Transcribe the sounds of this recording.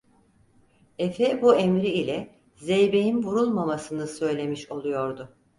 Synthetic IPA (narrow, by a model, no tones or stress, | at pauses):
efɛbuemɾiilʲɛ | zejbe̞jinvuɾulˠmamasɯnɯsø̞jlʲe̞miʃo̞lˠujo̞ɾd̪ʊ